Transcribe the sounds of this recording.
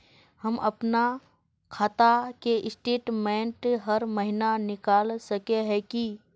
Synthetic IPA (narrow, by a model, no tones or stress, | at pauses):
həmʔɐpna | kʰaːt̪akeʔɪsʈeːʈmẽːɳʈɦəɾməɦɪnanɪkaːlsəkeɦɛki